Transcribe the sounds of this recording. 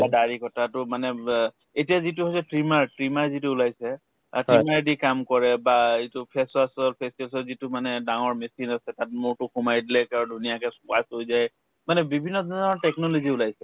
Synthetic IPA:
badaɹikɔtatʊmanɛ | etijazit̬ʊɦojsɛtɹimaɹtɹimaɹzitʊːlajsɛ̰ | timaɹdikamkɔɹɛbaitʊpʰɛsasalpʰɛsalsɔlzitʊmanɛdaŋɔɹmesinasɛtat̚mʊɹtʊxumajdilɛkaɹudʱunijakɛsʊkasojzaj | manɛbibʱinːɔzɔɔɹtɛknɔloziulajsɛ

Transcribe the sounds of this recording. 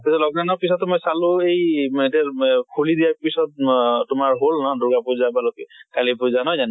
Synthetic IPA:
pisɔtlɔɡɹanɔɹpisɔtːmɔjsalʊejetiakʰulidijaɹpisɔt̚tʊmaɹɦolnɔdʊɡapʊzabalɔkkalipʊzanɔzan

